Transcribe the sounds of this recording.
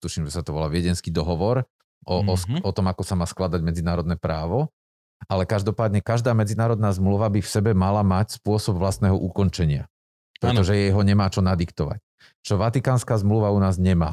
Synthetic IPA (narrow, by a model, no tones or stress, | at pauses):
t̪uʃimʒɛsat̪ɔʋɔlaʋɪɛɟɛnskiːd̪ɔɦɔʋɔɾ | ʔɔsɔt̪ɔmakɔsamaːsklad̪aɟmɛd͡zinaːɾɔd̪nɛːpɾaːʋɔ | ʔalɛkaʒd̪ɔpaːd̪ɲɛkaʒd̪aːmɛd͡zinaːɾɔd̪naːzmluʋabifsɛbɛmalamacspʊɔsɔbʋlast̪nɛːɦɔʔukɔnt͡ʃɛɲɪa̰ | pɾɛt̪ɔʒɛjɛɦɔɲɛmaːt͡ʃɔnad̪ikt̪ɔʋa̰c̚ | t͡ʃɔʋat̪ikaːnskaːzmluʋaunaːzɲɛma̰ː